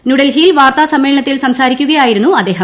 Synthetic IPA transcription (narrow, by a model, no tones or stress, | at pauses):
nuɽɐlɦijilʋaːrt̪aːsɐmːeːɭɐɳɐt̪ːilsɐmsaːɾikʲːuɣɐjaːjiɾunːuɐd̪ːeːɦɐm